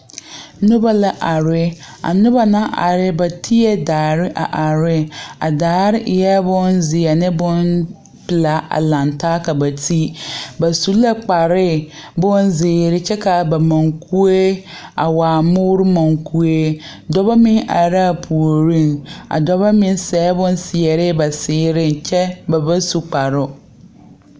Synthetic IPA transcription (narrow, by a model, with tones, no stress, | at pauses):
nʊ̃˦ba˦la˨ʔa˨ɾɪ˦ | a̰˨nʊ̃˦ba˨nã˦ʔa̰˨ɾɪ˦ba˨tʰi˦ɛ˦daː˨ɾɪ˦ʔa˨ʔa˨ɾɪ˦a̰˨daː˨ɾɪ˦ʔɪ˨jɛ˦bʊ̃˦nzɪ˨a˨nɪ̃˦bʊ̃˦n | pɪ˨la˨ʔa̰˨lã˨ntʰaː˦kʰa˨ba˨tʰi˦ba˨su˨˦la˦k͡pa˨ɾɪ˦bʊ̃˦nzɪː˨ɾɪ˦t͡ɕʰɛ˦kʰa˨ba˨mã˨ŋkʰu˦e˦ | a˨waː˨mʊ̃˦wɾʊ˦mã˨ŋkʰu˦e˦ | dɔ˦ba˦mɪ̃˦nʔa̰˨ɾa˦˨pʰu˨o˨ɾĩ˦na̰˨dɔ˦ba˦mɪ̃˦n˦sɛː˨˦bʊ̃˦n˦sɪ˨ɛ˨ɾɪ˦ba˨sɪː˨˦ɾɪ̃˦nt͡ɕʰɛ˦ba˨ba˦su˨k͡pa˨ɾʊ˦